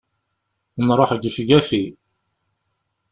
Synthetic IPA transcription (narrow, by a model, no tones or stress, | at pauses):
nɾˤoħɡifɡæfi